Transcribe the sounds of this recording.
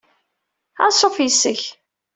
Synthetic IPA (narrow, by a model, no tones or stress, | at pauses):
æ̰sˤofjəsːəç